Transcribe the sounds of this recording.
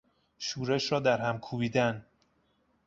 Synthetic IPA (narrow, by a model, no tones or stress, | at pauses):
ʃuːɾeʃɾɒːd̪æɾɦæmkʰuːbiːd̪æn